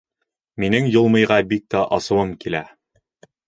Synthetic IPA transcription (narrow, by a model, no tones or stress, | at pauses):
minɘŋjŏlˠmɤ̆jʁɑbik̚t̪æʔɑsɤ̆wɤmkilæ